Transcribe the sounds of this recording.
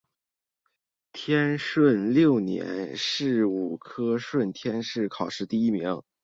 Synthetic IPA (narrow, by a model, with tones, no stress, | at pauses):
t̪ʰjɛ˥nʂwə˥˩nljo˥˩ʊnjɛ̰˧˥nʂɻ̩˥˩u˨˩kʰɤ˥ʂwə˥˩nt̪ʰjɛ˥nʂɻ̩˥˩kʰɑ˨˩ʊʂɻ̩˥˧t̪i˥˩i˥mi˧˥ŋ